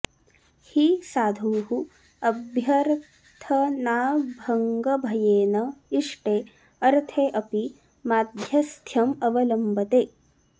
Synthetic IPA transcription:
hisaːd̪ʱuːhu | ɐbʱjɐɾ | t̪ʰɐnaːbʱɐŋɡɐbʱɐjeːnɐiʂʈeː | ɐɾt̪ʰeːʔɐpi | maːd̪ʱjɐst̪ʰjɐmɐʋɐlɐmbɐt̪eː

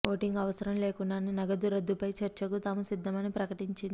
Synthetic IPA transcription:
oːʈiŋɡɐʋɐsɐɾɐmleːkunɖaninɐɡɐd̪uɾɐd̪ːupɐjt͡ʃɐɾt͡ʃɐkut̪aːmusid̪ːɐmɐnipɾɐkɐʈiɲt͡ʃind̪i

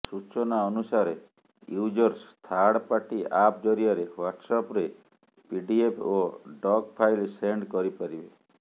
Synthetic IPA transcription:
sut͡ʃɔnaɔnusaɾe | jud͡ʒɔɾst̪ʰaɽpaʈiʔap̚d͡ʒɔɾijaɾewaʈsɔpɾe | piɖiepʰoɖɔɡpʰajlseɳɖkɔɾipaɾibe

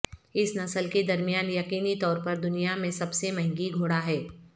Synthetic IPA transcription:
ɪsnɐsəlked̪ɐɾmijaːnjɐqiːnit̪ɔːɾpɐɾd̪ʊnijamẽsɐbsemɐ̃ɦɪ̃ŋɡiɡʱoːɽaɦɛː

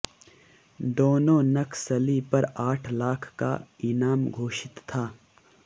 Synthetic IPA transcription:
d̪oːnõːnɐkʰsɐlipɐɾaːʈʰlaːkʰːka̰ɪnaːmɡʱoːʃɪt̪ʰːaː

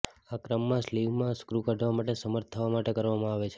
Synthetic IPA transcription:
akɾəmːãsliʋmãskɾukaɖʱʋamaʈesəməɾt̪ʰːəʋamaʈekəɾʋamãaʋet͡ʃʰe

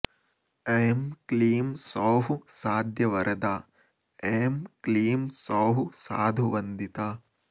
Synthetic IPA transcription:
emkliːmsoːɦusaːd̪ʱjɐʋɐɾʔɐd̪aː | emkliːmsaːɦusaːd̪ʱuʋɐnd̪it̪aː

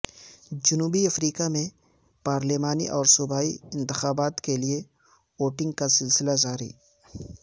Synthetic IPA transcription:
d͡ʒʊnuːbiɐfɾiːkamẽ | paːɾlemaːnḭʔɔːɾsʊbaːḭɪ̃nt̪ɪxaːbaːt̪kelie | oːʈɪ̃ŋɡ̚kasɪlsɪlazaːɾḭː

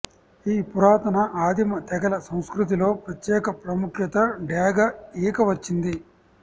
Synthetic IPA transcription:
iːpuɾaːt̪ɐnɐʔaːd̪imɐt̪ɛɡɐlɐsɐw̃skɾut̪̬ilo̞ːpɾɐt̪jɛːkɐpɾɐmukjɐt̪ɐɖjaːɡɐiːkɐʋɐt͡ʃːind̪i

